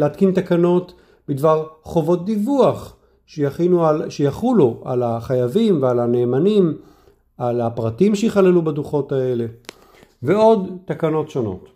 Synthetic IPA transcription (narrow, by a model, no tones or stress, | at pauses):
leat̪kint̪akano̞t | bidvaʁχo̞vo̞t̚d̪ivuaχ | ʃejainuʃejaχuloʔa̰laχajavimvealane̞ːmanim | ʔalapʁatimʃeiχalelubaduχo̞tae̞le̞ | veo̞d̪takano̞tʃo̞no̞̰t